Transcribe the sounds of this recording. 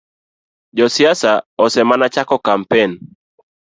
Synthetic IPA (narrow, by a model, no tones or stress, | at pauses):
d͡ʒɔsiasaɔsɛmanat͡ʃakɔkam̩pɛn